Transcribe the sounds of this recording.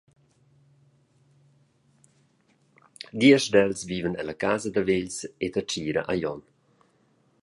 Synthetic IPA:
d̪iəʃdɛlsviːvənɛ̰lakaːzəd̪əveʎset̪at͡ʃiːɾə̰ʔajɔn

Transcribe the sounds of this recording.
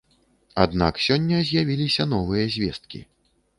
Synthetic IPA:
a̰d̪na̰ksʲɔnʲːɐzʲjavʲilʲisʲɐnɔvɨjɐzʲvʲɛst̪̚kʲḭ

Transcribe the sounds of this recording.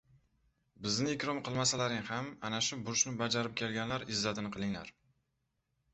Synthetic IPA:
bɪznɪɪkʲɾɒmqʰɨlˠmasalaɾɪŋhamanaʃʊbʊɾʃnɪbad͡ʒaɾɪp̚kʲʰe̞lɡʲanlaɾɪzːat̪ʰɪnɨqʰɨlˠɪŋla̰ɾ

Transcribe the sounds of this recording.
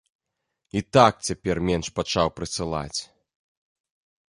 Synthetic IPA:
it̪ak̚t͡sʲapʲɛrmʲɛnʂpat͡ʂawpɾɨsɨlˠa̰t͡sʲ

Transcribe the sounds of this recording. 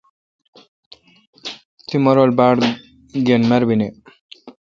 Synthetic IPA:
t̪ʰimɔɾɔlbaɽ | ɡenmaɾbine

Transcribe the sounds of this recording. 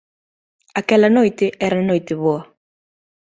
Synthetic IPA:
ɐkɛlɐnojt̪ɪʔɛɾɐnojt̪ɪβoɐ

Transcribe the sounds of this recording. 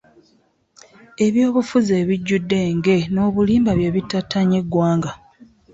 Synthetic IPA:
e̞βjoːβufuze̞ːβiɟːudːe̞ːŋɡe̞no̞ːβuliːmbaβjeːβitːatːaɲe̞ɡːwaːŋɡa

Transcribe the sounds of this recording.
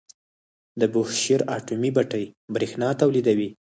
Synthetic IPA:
d̪əbʊhʃeɾɑʈumibaʈəjbɾexnɑt̪awlid̪awi

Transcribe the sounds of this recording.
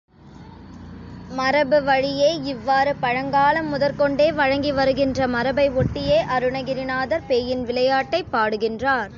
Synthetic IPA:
mɐɾɐbɯʋɐɻɪjeːɪʋːaːɾɯpɐɻɐŋɡaːlɐmːʊðɐɾkɔɳɖeːʋɐɻɐŋɡiʋɐɾɯɣɪndrɐmɐɾɐbɐɪɔʈːɪjeːʔɐɾɯɳɐɣɪɾɪnaːðɐɾpeːjɪnʋɪlɐjaːʈːɐɪpːaːɽɯɣɪndraːɾ

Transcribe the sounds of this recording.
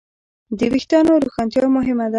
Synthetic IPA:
d̪əwixt̪ɑnoɾuxɑnt̪jɑmʊɦɪmad̪a

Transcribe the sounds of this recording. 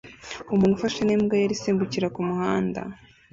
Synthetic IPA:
umuːnhufaʃanimɡajaɾisiːmbuciɾakumuhaːnda̰

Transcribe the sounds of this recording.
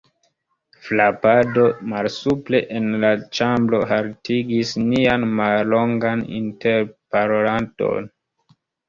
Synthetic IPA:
flapado̞malsuple̞ʔenlat͡ʃamblo̞ɦaltʰiɡisnianmallo̞ŋɡanḭnte̞ɾpaɾoɾanto̞̰n

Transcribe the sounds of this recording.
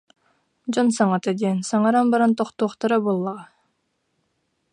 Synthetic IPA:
d͡ʑɔnsaŋat̪ad̪iɛnsaŋaɾanbaɾant̪ɔχt̪uːχt̪aɾabulˠːaʁa

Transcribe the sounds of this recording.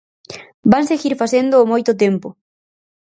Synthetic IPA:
baŋseɣiɾfasend̪ʊːmojt̪ʊt̪̬empʊ

